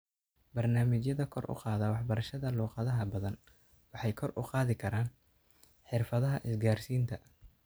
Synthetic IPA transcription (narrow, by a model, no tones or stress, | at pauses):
bɐrnaːmɪt͡ʃjɐðɐkʰɔrʔʊ̰qɑːðɐwɑħbɐɾɐʃɐðɐluːqɑðɐɦɐbɐðɐn | wɑħɑjkʰɔrʊqɑːðɪkʰɐɾaːn | ħɪrfɐðɐɦɐʔɪsɡaːrsiːnt̪ʰɐ